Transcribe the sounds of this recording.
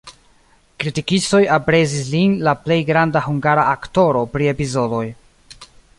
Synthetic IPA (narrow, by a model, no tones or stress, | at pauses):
kɾitikisto̞japɾe̞zislinlaple̞jɡɾandahuŋɡaɾaʔakto̞ɾo̞pɾie̞pizo̞do̞j